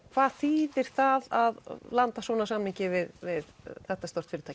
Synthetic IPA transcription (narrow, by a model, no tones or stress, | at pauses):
kʰvaðθiːðɪɾ̥θaðaðlant̪asvɔːnasamniɲcɪvɪðvɪðθɛht̪ːast̪ɔw̥t̪fɪɾʏt̪ʰaː